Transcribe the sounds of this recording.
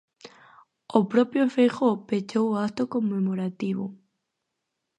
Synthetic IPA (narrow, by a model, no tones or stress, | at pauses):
opɾopjofejxopet͡ʃowakt̪okomːemoɾat̪iβo̰